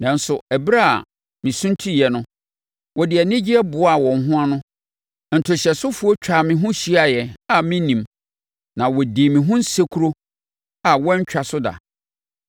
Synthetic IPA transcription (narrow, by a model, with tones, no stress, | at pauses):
nã˨n˦sʊ˨æ˨bɾa̰˦˨ | mĩ˨sũ˦n˦tʰi˦jɛ˨nʊ̃˦ | wʔɔ˨dɪ˨ɛ˨nɪ̃˦d͡ʑi˦ɛ˦bʊ˨˦a˨wɔ̃˨n˨ɦʊ̃˦a˦nʊ̃˦ | n̩˨tʰʊ˨ɕɛ˨sʊ˦fu˦o˦t͡ɕᶣa˨mɪ̃˨ɦʊ̃˦ɕi˦a˨jɛ˨a˨mɪ̃˦nĩ˨m | nã˨wɔ˨di˨mĩ˨ɦʊ̃˦n̩˦se˦kʰu˦ɾo˦ | a˨wɔ̃˦ɲ˦t͡ɕᶣa˨sʊ˦da̰˨